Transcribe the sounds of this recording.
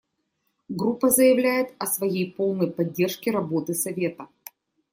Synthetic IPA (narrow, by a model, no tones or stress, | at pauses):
ɡɾupːəzəjɪvlʲæjɪt̪ɐsvɐjejpo̞lˠnəjpɐdʲːe̞rʂkʲɪɾɐbo̞t̪ɨsɐvʲe̞t̪ə